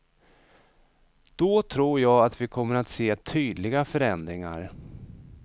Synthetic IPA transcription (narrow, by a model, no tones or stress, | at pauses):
d̪̥ɔːt̪ʰɾuːɾjɑːɡat̪vɪkʰɔmːəɾat̪seːt̪ʰyːd̪lɪɡafœɾɛnd̪ɾɪŋa̰ɾ